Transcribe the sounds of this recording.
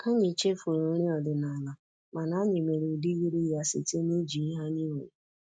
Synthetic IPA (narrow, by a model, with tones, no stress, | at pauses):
ka˦ɲɪ˨t͡ʃe˦fo˨ɾo˨˦ɾi˦ɔ˨dɪ˨na˨la˨ | ma˨na˦ɲɪ˨me˨ɾe˨di˦ɣi˦ɾi˦ja˦sɪ̰˨te˦ni˦d͡ʒi˨i˦ɦa˦ni˦we˨